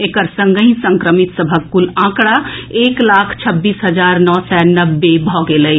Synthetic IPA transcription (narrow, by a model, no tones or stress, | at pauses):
eːkəɾsə̃ŋɡəĩsə̃ŋkɾəmɪt̪səbʱəkkʊlãːkɽaeːklaːkʰt͡ʃʰɐbːiːsɦɐd͡ʒaːɾnɔːsɛːnɐbːebʱɔːɡeləi